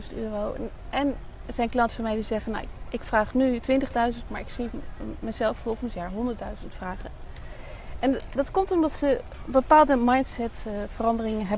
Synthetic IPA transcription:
zəntyːrow | ɛn | zɛjnklɑntfəɹmejlizɛχəna̰wɪkfraːχnytʋɪntəχdœɥzəntmaːɹɪksimɛzɛlˠfːɔlˠχənsjaːɹɦɔndəɹtdœɥzəntfraːχən | ʔɛndɑtkɔmtɔmdɑtsə | bəpaːlˠdəmɑjntsɛtfərɑndərɪŋənɦɛ

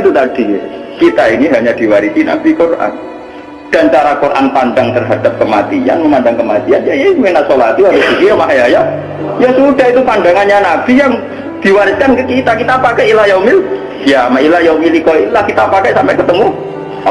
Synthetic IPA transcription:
t̪ut̪ad̥i | kit̪ainiɦaɲad̥iwaɾisina̰bikorʔa̰n | d̥aɲt͡ʃaɾakorʔa̰npandaŋt̪ərɦad̥ap̚kəmat̪ia̰nməmandaŋkəmat̪ianjajamenasolat̪iaɾʊsbikijamaɦjaja | jasudait̪̬upandaŋanɲanab̥ijaŋ | d̥iwaɾɪt̪̚kankəkit̪akit̪aːpakailajaumɪl | jamailahjaumilikɔilahkit̪apakasampɛkət̪əmu

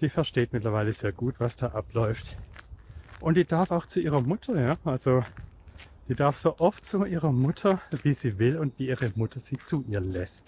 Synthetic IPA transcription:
d̥iːfɛɐʃteːtmɪtlɐvaɪləz̥eːɐɡ̥uːtv̥asd̥aːʔaplɔʏft | ʔʊntd̥iːd̥aɐfaʊxt͡suiːʁɐmʊtʰɐjaːʔalz̥o | d̥iːdaɐfz̥oːʔɔft̚t͡suʔiːʁɐmʊtʰɐviːziːvɪlʊntv̥iːiːʁəmʊtʰɐz̥iːt͡suʔiːɐlɛst

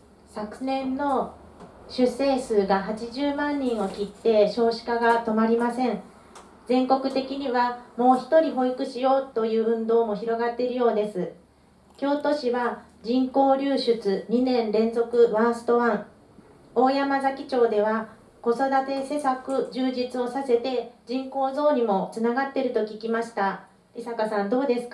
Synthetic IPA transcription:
sakɯ̟nẽ̞nːo̞ | ɕɨse̞ːsɨːɡaɦat͡ɕiʑɨːmãɲ̟ːĩɰ̃o̞kʲit̪ːe̞ɕo̞ːɕi̥kaɡat̪o̞maɾʲimasẽ̞ɴ̃ | d͡zẽ̞ŋko̞kɯ̟t̪e̞kʲiɲ̟iβamo̞ːçi̥t̪o̞ɾʲiɦo̞ikɯ̟ɕijo̞ːt̪o̞jɯ̟ːɯ̟̃nd̪o̞ːmo̞çiɾo̞ɡat̪ːe̞ɾɯ̟jo̞ːd̪e̞sɨ | kʲo̞ːt̪o̞ɕiβa | d͡ʑĩŋko̞ːɾʲɨːɕɨt͡sɨɲ̟inẽ̞nɾẽ̞nzo̞kɯ̟βãɰ̃sɨ̥t̪o̞βãɴ | o̞ːjamazakʲi̥t͡ɕo̞ːd̪e̞β̞a | ko̞so̞d̪at̪e̞se̞sakɯ̟d͡ʑɨːd͡ʑit͡sɨo̞sase̞t̪e̞d͡ʑĩŋko̞ːzo̞ːɲ̟imo̞t͡sɨnaɡat̪ːe̞ɾɯ̟t̪o̞kʲikʲimaɕi̥t̪a | isakasãnd̪o̞ːd̪e̞sɨ̥k

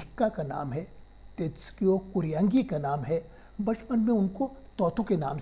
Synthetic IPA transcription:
ɪkːakana̰ːmɦɛ | t̪eːt̪skiokʊɾjãːŋɡikanaːmɦɛ | bɐt͡ʃpənmẽʊnkot̪ɔːt̪ʰukena̰ːm

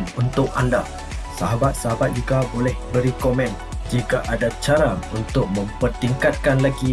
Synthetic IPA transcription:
nunt̪ʊk̚anda | saɦabat̪̚saɦabat̪̚d͡ʒuɡabolɛhbəɾikomɛ̃n | d͡ʒikaʔadat͡ʃaɾaunt̪ʊk̚mə̃mpərt̪iŋkat̪̚kanlaɡi

